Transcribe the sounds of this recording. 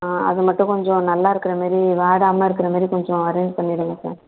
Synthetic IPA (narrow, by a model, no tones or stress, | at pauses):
ɐ̰ðɯmɐʈːʊ̃kɔɲd͡ʒɔ̃nɐlːaːɪɾɯkːɪɾɐmaːɾiʋaːɽaːmaːɪɾɯkːɪɾɐmaːd̪ɾikɔɲd͡ʒɔ̃ɐɾɛɪɲd͡ʒpɐɳːɪɽɯŋɡɐsa̰ːɾ